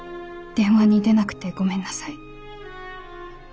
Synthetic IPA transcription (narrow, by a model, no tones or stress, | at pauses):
d̪̥ẽ̞ɰ̃βaɲ̟iːd̪e̞nakɯ̟̥t̪e̞ɡo̞mẽ̞nːasai